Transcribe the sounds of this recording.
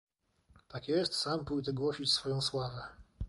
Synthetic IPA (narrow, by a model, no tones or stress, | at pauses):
t̪akjɛst̪sampujt̪ɛɡwɔɕit͡ɕsfɔjɔ̃w̃swavɛ